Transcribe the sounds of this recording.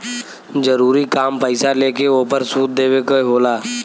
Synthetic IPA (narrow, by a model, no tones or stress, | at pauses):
d͡ʒəɾuːɾikaːmpəɪsaleːkeoːpəɾsuːt̪̚d̪eːwekoɦoːlaː